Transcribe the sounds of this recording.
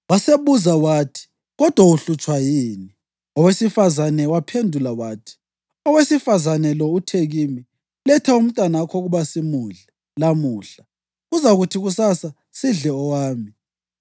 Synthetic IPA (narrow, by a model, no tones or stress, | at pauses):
waseβuzawaːtʰi̥ | ɣɔd̥ʱwauɬut͡ʃʼwajiːni | ɔwesifazanɛwapʰendʱulawaːtʰi̥ | ɔwesifazanɛlɔutʰeɣimi | lɛtʰɛum̩tʼwanakʰɔɣuβasimuɮɛ | lamuːɬa | ɣuzaɣutʰiɣusasa | siɮɛɔwaːmi